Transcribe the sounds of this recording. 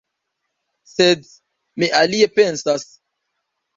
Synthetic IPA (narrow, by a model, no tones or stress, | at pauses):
sed | miʔalie̞pe̞nsas